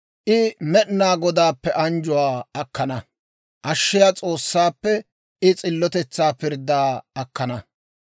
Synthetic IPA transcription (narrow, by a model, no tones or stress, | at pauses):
ʔɪmɛʔnaːɡɔd̪aːpːɛʔɐnd͡ʒʊwaːɐkːɐnɐ | ʔɐʃːɪjaːt͡sʼoːsːaːpːɛ | ɪt͡sʼɪlːɔt̪ɛt͡sːaːpɪɾd̪ːaːɐkːɐnɐ